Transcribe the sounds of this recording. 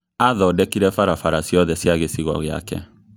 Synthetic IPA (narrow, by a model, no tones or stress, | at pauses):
aðɔdɛkiɾɛfaɾafaɾasiɔðɛsjaɣesiɣɔ̰ɣja̰kɛ̰